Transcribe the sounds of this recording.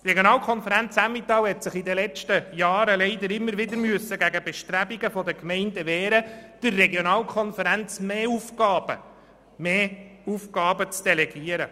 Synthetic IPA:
t̪reɡjonɑːlkʰɔnfəɾænt͡sæmit̪ːɑːwhɛt̪sɪχidəlɛt͡ʃtəjɑːɾəlɛɪd̪əɾɪmːəɾʋɪd̪əɾmyəsːəɡæɡəbɛʃtɾæbiɡəfɔdəkmɛɪndəʋɛːɾəd̥ɪrːɛɡjonɑːlkʰχɔnfəɾænt͡smeːufkɑːbə̰ | meːufɡɑːbət͡sd̥ɛlɛɡiəɾə

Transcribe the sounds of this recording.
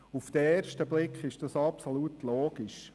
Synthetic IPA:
uft̪əeːɾrʃtəblɪkχɪʃd̥ɑsɑpsolut̪loːɡ̥iʃ

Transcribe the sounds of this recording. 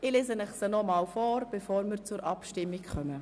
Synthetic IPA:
ɪleːzənɛχsənɔmɑːwfɔːɾb̥efoːɾmɪɾt͡sʊɾʔɑpʃtɪmːikχœmə

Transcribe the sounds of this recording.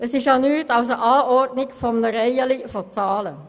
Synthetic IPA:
əsɪʃjɑnyːtɑʊsəʔɑːʔɔɾdnɪɡfɔmnəɾɛjəlifɔt͡sɑːlə

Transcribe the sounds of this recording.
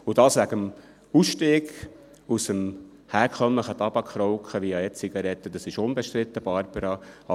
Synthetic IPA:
ʊdɑːsʋæɡəm | usʃteːɡ | usəm | hæːɾkʰœmləχət̪ɑb̥ɑkʰːɾɔʊkχəʋiɑɛt͡siɡɑɾɛtːəd̥̪ɑsɪʃʊnbɛʃt̪ɾɪt̪ːəb̥ɑɾbəɾɑɑ

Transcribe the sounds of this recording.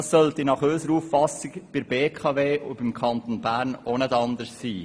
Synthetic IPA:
ɑsœlt̪ɪnɑχøːsəɾufffɑsɪkb̥ɪɾb̥eːkʰɑveːʔʊbɪmkʰɑnt̪onbæːɾnonɛtɑnd̪əɾssiː

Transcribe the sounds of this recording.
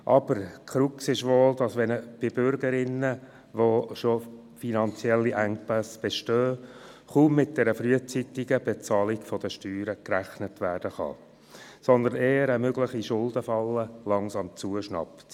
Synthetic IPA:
ʔɑb̥əɾkʰχɾuksɪʃʋoːld̥̪ɑsʋɛnəb̥ɪbʏɾɡəɾɪnə | ʋoʃo | finɑnt͡sjɛlːiʔæŋpæsb̥ɛʃtøː | χuːmːɪt̚d̪̥ɛɾəfɾyət͡sit̪ɪɡəb̥ɛt͡sɑːlɪɡfɔd̥əʃtyːɾəkɾæχnət̪ʋæːɾd̥əχɑ̰ | sɔnd̪əneːəɾəmøɡlɪχiʃʊldəfɑlːəlɑŋsɑmt͡suəʃnɑ̰pt

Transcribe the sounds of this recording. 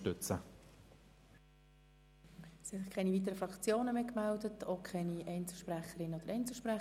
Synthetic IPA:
tʏt͡sə | sɪsɪχkʰɛniviːt̬əɾəfɾɑkt͡sjoːnəmeːkmældətʰokʰχɛniʔɛɪnt͡sl̩ˠʃpɾæχəɾɪnəod̥̪əɾʔɛɪnt͡sl̩ˠʃpɾɛ

